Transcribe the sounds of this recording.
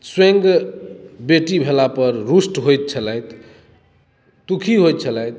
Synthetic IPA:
swẽŋɡ | beʈibʱelapəɾɾusʈɦojt̪̚t͡ʃʰələjt̪ | t̪ukʰiɦojt̪̚t͡ʃʰələjt̪̚

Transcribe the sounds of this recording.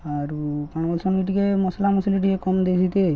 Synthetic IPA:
aɾupaɽ̃bɔlsɔniʈikemɔslamɔsiliʈ̬ikekɔmd̪ejsit̪e

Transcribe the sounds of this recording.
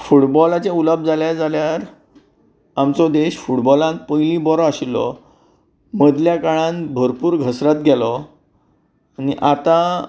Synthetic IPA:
fuʈbɔlat͡ɕẽuləb̚d͡zaljad͡zaljaɾ | amt͡sɔd̪eɕfuʈbɔlãŋk̚pəjlĩbɔɾɔaɕilːɔ̰ | məd̪ljakaɭãnbʱəɾpuːɾɡʱəsɾat̪̚ɡʱɛlɔ | aniʔat̪a

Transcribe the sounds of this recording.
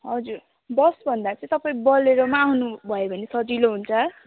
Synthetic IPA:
ɦʌd͡zur | bʌsbʱʌnd̪at͡sʌ̃ĩt̪ʌpaĩbʌleɾʌmaːwnubʱʌjebʱʌnesʌd͡ziloɦunt͡sʰʌ

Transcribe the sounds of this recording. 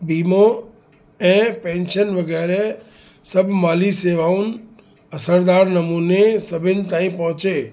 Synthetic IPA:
biːmo | ɛ̃ːpɛ̃ːnʃənʋɐɡɛːɾe | səbʱmaːliseːʋaːũn | ɐsəɾd̪aːɾnɐmuːnesəbʱɪnt̪ãːĩpɐ̃ɦt͡ʃeː

